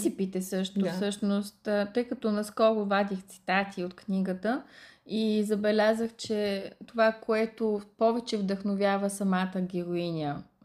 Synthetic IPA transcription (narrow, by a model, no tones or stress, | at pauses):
sipit̪ɛsɤʃt̪ʊssɤʃnost̪ːt̪ɤjkɐt̪ɔnɐskɔɾʊvad̪ixt̪si̥t̪at̪ʰiot̪kniɡət̪əizɐbɛlʲazəxt͡ʃɛt̪ovakoɛt̪opɔvɛt͡ʃɛvd̪əxnovʲjavəsɐmat̪əɡʲɛɾoinʲiə